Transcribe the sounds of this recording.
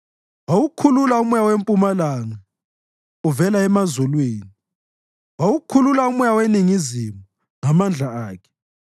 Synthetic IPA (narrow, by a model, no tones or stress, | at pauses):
wawukʰululaumujawempʼumalaŋa | uvɛlaɛmazulweːni | wawukʰululaumujaweniŋizimu | ŋamand͡ɮʱaaːkʰɛ̥